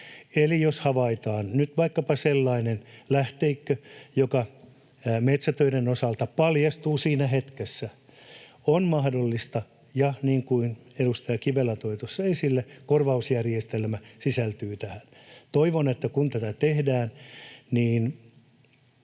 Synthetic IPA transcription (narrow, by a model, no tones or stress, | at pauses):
elijoshɑʋɑit̪ɑːnnyt̪ʋɑikːɑpɑselːɑinenlæht̪eikːøjokɑ | met̪sæt̪øiɾenosɑlt̪ɑpɑljɑst̪uːsiːnæhet̪kesːæ | onmɑhdolːist̪ɑ | jɑniːŋkuineɾust̪ɑjɑkiʋelːæt̪oit̪osːɑesilːekorʋɑusjærijest̪elmæsisælt̪yːt̪æhænt̪oiʋonet̪ːækunt̪æt̪æt̪ehdæːnniːn